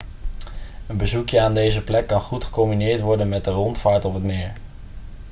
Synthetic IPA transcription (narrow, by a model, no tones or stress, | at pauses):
ənbəzukjəaːndejzəplɛkːɑnχutχə̥kɔmbinɪːɹtʋɔɹdənmɛt̚dərɔntfaːɹtɔpɦətmɪːɹ